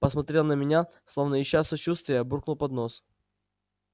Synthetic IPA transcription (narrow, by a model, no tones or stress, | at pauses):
pəsmɐt̪ɾʲelˠnəmʲɪnʲaslˠovnəjɪɕːasɐt͡ɕust̪vʲɪjəburknulˠpɐd̪nos